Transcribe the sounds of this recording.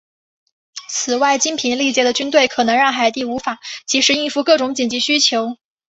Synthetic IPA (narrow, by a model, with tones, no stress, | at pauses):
t͡sʰɹ̩˨˩wa˥˩ɪt͡ɕi˥npʰi˧˥nli˥˩t͡ɕjɛ˥˩d̪ə˩t͡ɕy˥nt̪̬we˥˩ɪkʰɤ˨˩nɤ˧˥ŋɻɑ˥˩ŋxa˨˩ɪt̪i˥˩u˧˥fa˨˩˦t͡ɕi˧˥ʂɻ̩˧˥i˥˧nfu˥˧kɤ˥˩ʈ͡ʂʊ˧˥ŋt͡ɕi˨˩nt͡ɕi˧˥ɕy˥t͡ɕʰjo˧˥ʊ